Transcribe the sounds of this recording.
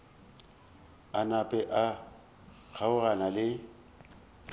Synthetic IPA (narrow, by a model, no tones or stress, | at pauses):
anapʼɛʔa | k͡xʰaʊranalɪ